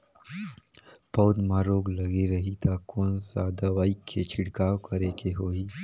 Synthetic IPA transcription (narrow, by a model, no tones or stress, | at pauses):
pɔwd̪mãɾoːɡlɐɡeɾɐɦit̪ʰakoːnsad̪əʋaːikʰːet͡ʃʰɪɽkaːʋkəɾekeɦoːiː